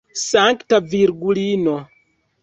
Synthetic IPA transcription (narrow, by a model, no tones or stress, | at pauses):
saŋktaviɾɡulino